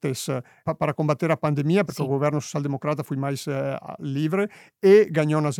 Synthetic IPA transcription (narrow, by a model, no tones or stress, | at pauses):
t̪es | apaɾakombat̪ːeɾapand̪emiːapeɾkɛuɡovɛrnoso̥t͡ʃjald̪emokɾat̪afujmajsliːvɾe | eɡaɲɔnaz